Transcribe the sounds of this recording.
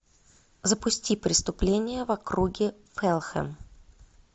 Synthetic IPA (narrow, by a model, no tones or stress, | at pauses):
zəpʊsʲtʲipɾʲɪst̪ʊplʲenʲɪjəvɐkɾuɡʲɪ | fɛlˠxɛ̰m